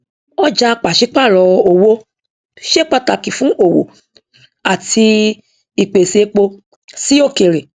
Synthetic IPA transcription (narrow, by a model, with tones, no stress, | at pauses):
ɔ˦d͡ʒa˧k͡pa˨ʃi˨˦k͡pa˦˨ɾɔ˨˧o˨wo˦ | ʃe˦k͡pa˧ta˧˨kĩ˨fũ˨˦ʔo˦˨wo̰˨ | a˨ti˧ | i˨k͡pe˨se˨˦k͡po˧ | si˦o˦˨ke˨ɾe˨